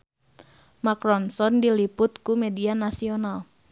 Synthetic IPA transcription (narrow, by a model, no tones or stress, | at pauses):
makɾɔnsɔndilipʊt̪̚kumedianasional